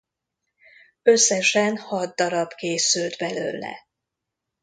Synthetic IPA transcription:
ø̞sːɛʃɛnhɒd̪̚dːɒɾɒb̥keːsylt̪bɛlø̰ːlɛ̰

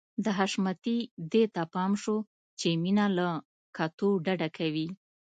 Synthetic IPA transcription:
d̪əɦaʃmat̪id̪et̪apɑmʃo | t͡ʃeminala | kat̪oɖaɖakʰawi

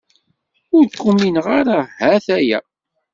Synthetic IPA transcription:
ʊɾkʷːumːinʁaɾahæθæjæ̰

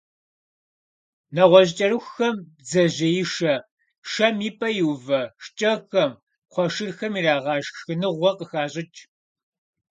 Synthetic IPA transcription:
nɐʁʷɔʑt͡ʃʼɐɾɨxxɐm | zɐʑɐjɪʂɐ | ʃɐmiːpʼɐjuwvɐʂt͡ʃʼɐxɐm | qʷɔʂɨrxɐmiːraːʁɑːʒxɨnɨʁʷɔqəxaːɕʼɪt͡ʃʼ

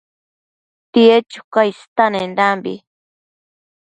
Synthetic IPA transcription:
t̪iet͡ʃu̥kajst̪anend̪ambḭ

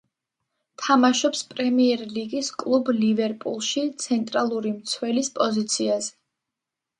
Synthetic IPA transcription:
t̪ʰamaʃɔpspʼɾɛmiɛɾliɡiskʼlˠublivɛɾpʼṵlˠʃit̪sʰɛnt̪ʼɾalˠuɾimt̪sʰwɛlispʼɔzit̪sʰiazɛ

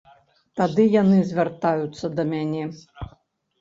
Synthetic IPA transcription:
t̪ad̪ɨjanɨzʲvʲart̪ajut̪sːɐd̪ɐmʲanʲɛ

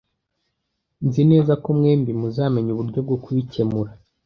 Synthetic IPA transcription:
nzine̞ːzakomŋe̞ːmbimuzaːme̞ɲuβuɾɟo̞b̚ɡokuβice̞muɾa

